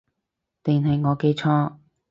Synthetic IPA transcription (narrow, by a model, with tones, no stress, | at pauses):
t̪ɪ˨˩ŋɦɐ˨jŋɔː˨˧ke˧jt͡ʃʰɔː˥